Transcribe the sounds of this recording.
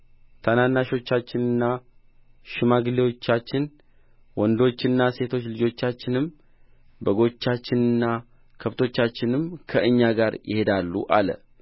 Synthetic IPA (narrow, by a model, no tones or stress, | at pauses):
t̪ʰananːaʃo̞t͡ʃːat͡ʃːɪnɨnːa | ʃɪmaɡlewo̞t͡ʃːat͡ʃːɪn | wɔnd̪o̞t͡ʃːɪnːase̞t̪ʰo̞t͡ʃːlɨd͡ʒo̞t͡ʃːat͡ʃːɪnɨm | bəɡo̞t͡ʃːat͡ʃːɪnɨnːa | kʰəft̪ʰo̞t͡ʃːat͡ʃːɪnɨmkʰəʔɨɲːaɡaɾjɪ̰he̞d̪alːṵʔalə̰